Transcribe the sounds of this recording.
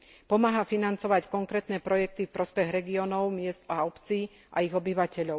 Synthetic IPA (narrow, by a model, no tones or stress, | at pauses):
pɔmaːɦafinant͡sɔʋackɔŋkɾɛːt̪nɛpɾɔjɛk̚t̪ifpɾɔspɛɣɾɛɡiɔːnɔʊmɪɛst̪aɔpt͡siː | ʔa̰iɣɔbiʋacɛʎɔʊ